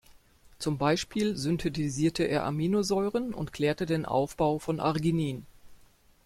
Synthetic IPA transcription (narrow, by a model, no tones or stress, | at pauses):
t͡sʊmbaɪʃpʰiːlzʏntʰetiziːɐtʰəʔḛːɐʔa̰miːnozɔʏʁənʊ̰ntkʰl̥ɛːɐtədeːnʔa̰ʊfb̥aʊfɔnʔa̰ʁɡiniːn